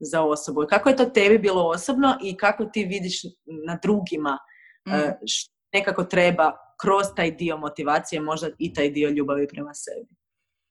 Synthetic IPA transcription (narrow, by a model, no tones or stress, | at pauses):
zao̞so̞bukakoje̞t̪ot̪e̞bibiːlˠoosobnoʔikako̞t̪iːʋid̪iʃnad̪ɾuːɡima | ʃ | ne̞kako̞t̪ɾeba | kɾo̞zt̪aːjd̪io̞mo̞t̪iʋaːt̪sije̞mo̞ʒd̪ait̪aːjd̪io̞ʎuːbaʋipɾemasḛbi